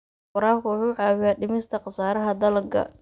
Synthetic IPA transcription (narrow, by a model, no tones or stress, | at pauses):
qʊɾaːkʊwʊħuːʕɑːwɪjaːɖɪmɪst̪ʰɐqɑsaːɾɐɦɐd̪ɐlɐɡɐ̰